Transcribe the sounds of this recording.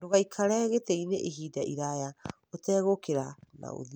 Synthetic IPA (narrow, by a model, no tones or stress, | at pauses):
ɾoɣajkʰaɾeːɣeteijneʔiɦiːdaiɾaea | oteːɣokeɾana̰ṵði